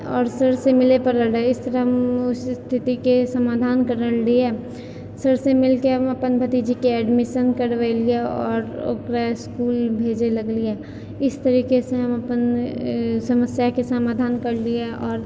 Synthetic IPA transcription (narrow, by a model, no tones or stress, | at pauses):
ɔːɾsəɽsemɪlepɐɾləɡɽeɪst̪əɾəɦmʊsst̪ʰɪt̪ikesɐmaːd̪ʱaːnkɐɾəɽliɛː | səɽsemɪlkeɦɐmɐpənbʱɐt̪id͡ʒikeɛːɖmɪʃənkɐɽʋelieɔːɾo̰ːkɾaɪskuːlbʱeːd͡ʒelɐɡliɛː | ɪst̪ɐɾiːkeseɦɐmɐpən | sɐməsjakesɐmaːd̪ʱaːnkɐɽlieʔɔːɾ